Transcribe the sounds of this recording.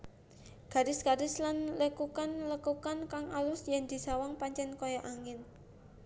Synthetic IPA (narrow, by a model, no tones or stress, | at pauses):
ɡ̥a̤ɾɪsɡ̥a̤ɾɪslanləkukanləkukankaŋalʊsjɛnd̪̥i̤sawaŋpaɲt͡ʃɛnkojaʔaŋɪn